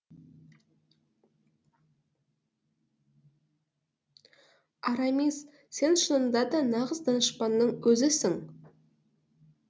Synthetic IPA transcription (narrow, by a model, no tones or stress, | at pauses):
ɑɾɑmis | se̞nʃənənd̪ɑd̪ɑnɑʁəzd̪ɑnəʃpɑnːəɴwɵzɪsɪŋ